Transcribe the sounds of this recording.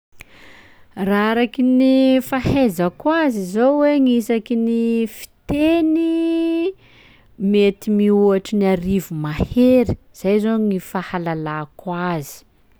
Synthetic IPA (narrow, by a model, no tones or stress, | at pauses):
raaɾakinifahezakwazizoweŋisakinifi̥t̪eni | met̪imiuaʈ͡ʂiniaɾivumaheɾi̥ | z̥ajzoŋifahalalakwazi̥